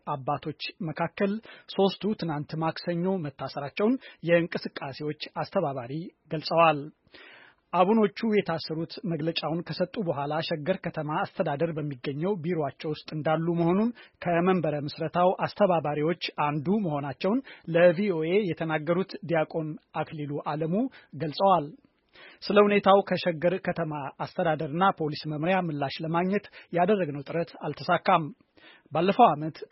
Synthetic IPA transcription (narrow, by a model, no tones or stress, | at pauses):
ʔabːat̪ʰo̞t͡ʃːməkʰakːəlso̞st̪ʰut̪ʰɨnant̪maksəɲːo̞mət̪ːasəɾat͡ʃːɛwnjɛɨŋkʼɨsɨkʼːase̞wo̞t͡ʃːast̪ʰəβaβaɾiɡəlsʼəwal | ʔaβuno̞t͡ʃːujɛt̪ʰasːəɾut̪məɡlət͡ʃʼawnkʰəsət̪ʼːubəɦʷalaʃɛɡəɾkʰət̪ʰəmaːst̪ʰəd̪ad̪əɾbəmːiɡːəɲːɛwbiɾoat͡ʃːɛwʊst̪ʼɨnd̪alːuməho̞nunkʰəməmbəɾəmɨsɾət̪ʰawʔast̪ʰəβaβaɾiwo̞t͡ʃːʔand̪uməho̞nat͡ʃːɛwnləvioʔe̞jɛt̪ʰənaɡːəɾut̪d̪ijakʼo̞nakʰliluʔaləmuɡəlsʼəwal | sɨləhune̞t̪ʰawkʰəʃɛɡəɾkʰət̪ʰəmaast̪ʰəd̪ad̪əɾɨnːapʰo̞lisməmɾjamɨlːaʃləmaɡɲɛt̪jad̪ərːəɡnəwt̪ʼɨɾət̪alt̪ʰəsakːam | balːəfəwamət̪